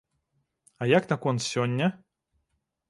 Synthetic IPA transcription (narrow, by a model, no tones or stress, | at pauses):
ɐjaknɐkɔnsʲɔnʲːɐ